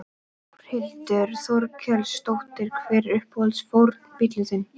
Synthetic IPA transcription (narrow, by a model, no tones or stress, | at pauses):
ɾ̥hɪlt̪ʏɾ̥θɔɾkʰœlst̪owht̪ɪɾkʰvɪːɾʏhphɔlsfowɾt̪pit̪lʏsɪn